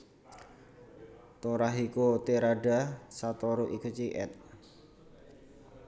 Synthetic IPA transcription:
t̪oɾaɦikot̪eɾaɖasat̪oɾoʔikut͡ʃiʔɛ̰t̪̚

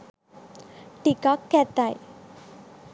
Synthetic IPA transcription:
ʈikɔkːɛt̪aj

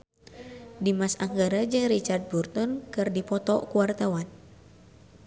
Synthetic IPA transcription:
dimasaŋɡaɾad͡ʒɨŋɾit͡ʃard̪̚burt̪ɔnkɨrdipɔt̪ɔ̰kuwart̪awan

